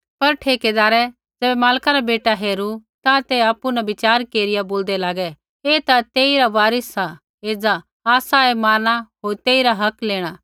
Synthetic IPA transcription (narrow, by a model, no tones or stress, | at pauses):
pɐɾʈʰeːked̪aːɾɛ | d͡zɛːbɛmaːlkaɾabeːʈaɦeːɾut̪ãt̪eaːpːunɛbɪt͡ʃaːɾkeːɾɪjaboːld̪ɛlaːɡɛ | eːt̪at̪eːiɾaʋaːɾɪsa | eːd͡zaː | saemaːɾɽ̃aɦoːɾt̪eːiɾaɦɐkleːɽ̃aː